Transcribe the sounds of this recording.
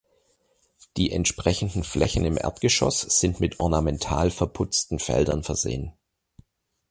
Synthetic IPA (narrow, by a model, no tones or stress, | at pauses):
d̥iːʔɛntʃpʁ̥ɛçn̩dn̩flʔɛçn̩ɪmʔɛ̰ɐtɡ̥əʃɔ̰sz̥ɪntmɪtɔɐnamɛntʰaːlfɛɐpʰʊt͡stn̩fɛ̰ldɐ̰nfɛɐzḛːən